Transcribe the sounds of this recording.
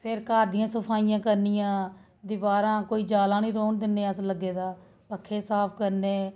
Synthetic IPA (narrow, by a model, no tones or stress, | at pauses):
pʰɪɾkaːɾd̪ijãːsəpʰaːijãːkəɾnijãː | d̪ɪbaːɾãːkoːiːd͡ʒaːlãːnĩːɾoːnd̪ɪnːeːəsləɡːeːd̪aː | pəkʰːeːsaːpʰkəɾneː